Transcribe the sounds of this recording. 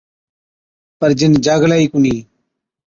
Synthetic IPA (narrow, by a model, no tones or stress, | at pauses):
pəɾd͡ʒɪnd͡ʒaːɡlaːiːkuniː